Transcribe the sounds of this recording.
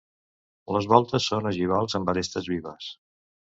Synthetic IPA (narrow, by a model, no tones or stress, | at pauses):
ləzβɔlˠt̪əsːonəʒiβ̞alˠzəmbəɾest̪əzβiβəs